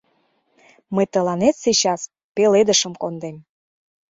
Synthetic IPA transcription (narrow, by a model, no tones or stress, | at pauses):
məjt̪ə̆lɑnet̪sit͡ɕɑs | peled̪əʃəmkond̪em